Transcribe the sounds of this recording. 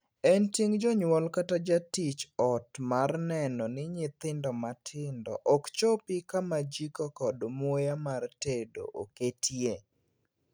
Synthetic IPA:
ɛnteŋd͡ʒɔɲwɔlkatad͡ʒatit͡ʃɔtmarnɛnɔnɪɲɪt̪ɪndɔmatʰɪndɔ̰ʔɔkt͡ʃopikamad͡ʒikɔkɔdmwojamartedo̰ʔoketʰje

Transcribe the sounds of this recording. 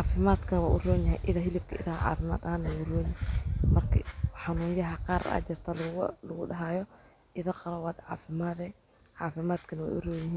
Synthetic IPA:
ʕɑːfɪmaːd̪kʰɐnɐwa̰ːʔʊrɔːnjɐɦɛ̰jʔɪðɐɦɪlɪb̚kʰɐɪ̰ðɐhɐʕɑ̰ːfɪma̰ːd̪ɐhaːnɐwʊrɔːnɪhɛmɐrkʰɐ̰ħɑnuːjɐɦɐqɑːɾa̰ːd͡ʒɪrt̪ʰɐllɐɣʊɖɐɦaːjɔ | ʔɪðɐqɑɾɐwaːd̪ʕɑ̰ːfɪmaːðɛ | ʕɑːfɪmaːd̪kʰɐnɐwɛ̰ʔʊ̰rɔːjɪɦiːn

